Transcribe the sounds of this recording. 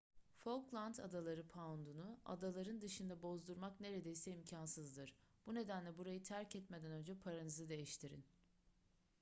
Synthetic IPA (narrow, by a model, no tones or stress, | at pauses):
foklˠant̪ʰa̰d̪alˠaɾɯpʰaund̪unua̰d̪alˠaɾɯnd̪ɯʃɯnd̪abo̞zd̪uɾmakne̞ɾe̞d̪ejsɛimcʰansɯzd̪ɯɾ̥b̥une̞d̪ænlʲɛbuɾajɯt̪ʰæɾcɛt̪me̞d̪ænø̞nd͡ʒɛpʰaɾanɯzɯd̪e̞jiʃt̪ʰiɾḭn